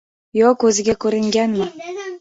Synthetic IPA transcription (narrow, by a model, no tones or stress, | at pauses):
jokːɵzɪɡʲækʲɵɾɪŋɡʲænmɪ